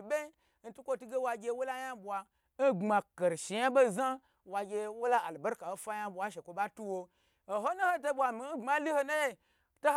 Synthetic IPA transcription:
bʲe˦ | n̩˦tu˦kʷo˦tu˦ɡe˦wa˧ɡʲe˧wo˦la˦ja˦bʷa˧ | n̩˦ɡ͡bma˧ke˨ɾʃi˨ja˦bo˦za˦ | wa˧ɡʲe˧wo˦la˦a˨lbo˦ɾka˨o˦fa˦ja˦bʷa˨˦ʃe˨kʷo˧ɓa˦tu˦wo˧ | o˨ɦo˦no˦ho˦t̬o˦bʷa˨mi˨n̩˦ŋ͡ma˦li˦ho˦na˦je˦ | to˦h

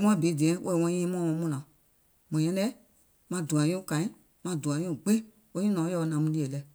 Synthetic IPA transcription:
m̃˦ã˦˨be˨˦˨dĩ˨ɛ̃˨˦wʔo˦ɛ˨wɔ̃˧˦ĩː˦mɔ̃˦˨ɔ̃˧˦mũ˦˨lã˨ | mɔ̃˨j̃ɛ̃˦lɛ˦ | mã˧du˨ã˨ɲũ˦˨kã˨˦ĩ˦ | mã˧du˨ã˨ɲõ˦˨ɡ͡be˦ | wo˦ɲĩ˦nɔ̃˨˦ɔ˧˦˧nã˨˦mũ˦li˦˧˦ɛ˨lɛ˧˨

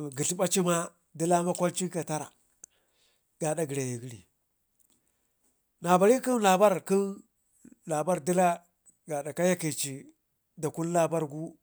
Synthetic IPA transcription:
ɡi˨ɬi˦ba˦t͡ʃi˦ma˦ | di˦la˦ma˦kʷa˦lt͡ʃi˦ka˨ta˦ɾa̰˨ | ɡ̥a˨da˨ɡi˨ɾa˨ji˨ɡi˦lḭ˨ | na˨ba˨ɾi˦ki˦nla˨ba˦ɾki˦n | la˨ba˦ɾdi˦la˦ | ɡa˨da˨ka˦ja˦ki˨t͡ʃi˨ | da˨ku˦n˦la˦ba˦ɾɡu˦

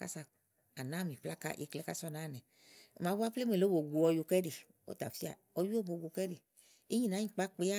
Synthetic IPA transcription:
ka̰˦sa˧ | a˨nã˦mĩ˨pla˦ka̰˦ʔḭ˧˦klɛ˦ka˦sɔ˦˨na˦˨nɛ˨ | ma˨˦ba˦ple˦me˨lo˨˦bo˨ɡu˨ɔ˧ju˧kɛ˦de˨ | o̰˦ta˨fi˦a̰˨ | ɔ˧ju˦o˦bo˨ɡu˧kɛ˦de˨ | i˦ɲĩ˦˨na˨˦ɲĩ˨k͡pa˦k͡pe˦a˦

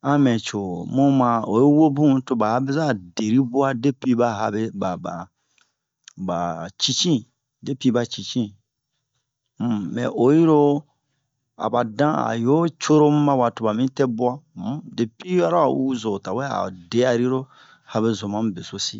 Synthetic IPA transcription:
ã˦mɛ̃˨t͡ʃo˨mũ˦mã˨o̰˨je˦wo˦bũ˦to˧ba˨a˨bɛ˦za˦˨de˨ɾi˦bu˦a˦de˦pi˦ba˦ɦa˧be˦ba˨ba̰˨ | ba˨t͡ʃi˦t͡ʃĩ˦˨ | de˦pi˦ba˨t͡ʃi˨t͡ʃĩ˦˨ | mɛ̰̃˨ʔo˨ji˦ɾo˦ | a̰˨ba˨dã˦a̰˨jo˦t͡ʃo˦ɾo˦mu˦mã˦wa˨to˨ba˨mĩ˦tɛ˦bu˦a˦m˦de˨pi˦a˦ɾo˦a̰˨wu˦zo˨ta˨wɛ˦a̰˨de˨˦a˨ɾi˦ɾo˦ | ha˧be˨zo˨mã˦be˨so˦sḭ˦

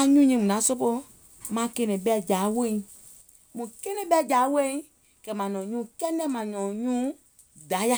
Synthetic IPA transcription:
ã˧ɲũ˦ɲĩ˧˦mũ˨nã˨˦so˦po˧ | mã˨˦ke˧nɛ̃˨ɓɛ˧˦˨d͡ʒa˨˦wẽ˦˨˦ | mũ˨ke˦nɛ̃˦ɓɛ˦˨d͡ʒaː˨˦wẽ˦ | kɛ˨mã˨nɔ̃˨ɲũː˦kɛ˦nɛ̃˦mã˨nɔ̃˨ɲũː˦ | da˨˦ja˦

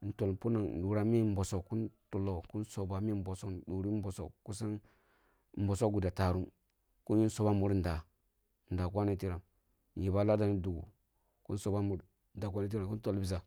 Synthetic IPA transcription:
n̩˨to˨lpu˦na˨ŋ˨ɗu˨ɾa˨mi˦m˦bo˨so˨kkːu˦ntu˨lo˨ku˦nso˨ba˨mi˦m˦bo˨so˦kdu˨ɾi˦bo˨so̰˨kku˦sa˦n˦ | m̩˦bo˨so˦ɡu˨da˨ta˨ɾu˦m | ku˦n˦ji˦n˦so˨ba˦mu˦ɾn˨da˨ | n̩˨da˨k̬ʷa˦ni˦ti˦ɾa˨m | n̩˨ji˨ba˦la˦da˨ni˦du˨ɡṵ˨ | ku˦n˦so˨ba˦mu˨ɾ | nda˨k̬ʷa˦ni˦t̬i˦ɾa˨ŋku˦n˦to˦lbi˨za˨

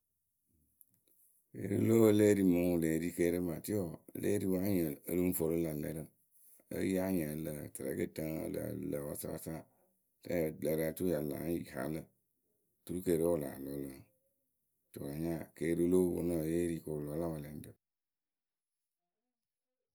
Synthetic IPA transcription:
kḛ˨˦ɾṵ˦lo˦ə˦le˦ɾi˨mə˨˦u˨le˨ɾi˦ke˦ɾə˦ma˨ti˦ɔ˨le˦ɾi˦wa˦ɲɛ˨ə˨˦lu˦fo˨ɾo˦la˨lɛ̰˨˦ɾə˦˨ | ə̰˦ja˦ɲɛ̃˨lə˨tə˨ɛ̰˨˦kə˦tə˦ŋə̰˦lə̰˨lə˨wa̰˨sa̰˦a̰˦sa˦ | tɛ˦˨lɛ˨ɾa˨˦tu˦a˨la̰˨˦ji˨ha̰˨lə˦ | tu˦ɾu˦ke˨ɾo˦wo˦˨la̰˨lɔ˨˦lə˨ŋ | to̰˨ɾa˨ɲa˦˨ke˨˦ɾo˦lo˦wo̰˨˦no˦˨je˦ɾi˨ko˨lɔ˨˦la˦wa˨lɛ˨n˦də˨

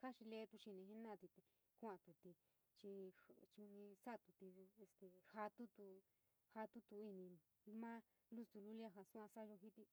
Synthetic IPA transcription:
ha˦ʃi˧le˧˦t̪u˧ʃi˧nĩ˧ɦe˦nã˦˧˨t̪i˧t̪e˧ | ku˧˦ã˧t̪u˨t̪i˧ | t͡ʃi˧t͡ʃĩ˧sa˦˧t̪u˧t̪i˧e˧st̪e˨ha˧t̪u˦t̪u˧ | ha˧t̪u˦t̪u˧i˧nĩ˧ | mã˦ | lu˦st̪u˧lu˦li˦a˦ɦa˧su˦ã˧sa˦˧ʒo˧ɦi˦t̪i˧

